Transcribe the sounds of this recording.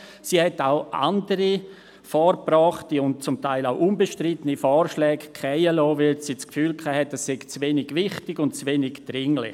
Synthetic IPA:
siːhɛtaʊʔa̰ndəɾi | fɔːɾprɔːχtiʊnt̚t͡sʊmtaɪlaʊʔunbəʃtrɪtənifɔːɾʃlɛːɡkʰχɛɪəlɔːʋɪlsiːt͡skfyːlkʰaːhɛtɛsːɛɡ̥t͡sʋenɪɡʋɪχtɪɡʊntt͡sʋenɪɡd̥ɾɪŋlɪ̰

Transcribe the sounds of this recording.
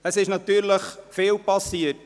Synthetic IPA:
əsɪʃnɑt̪yːɾləχfɪːlpɑsiət

